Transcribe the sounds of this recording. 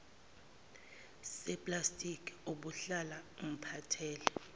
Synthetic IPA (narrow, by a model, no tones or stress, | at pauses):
sɛpʼlastʼikʰʼuɓuɬalaum̩pʰatʰɛːlɛ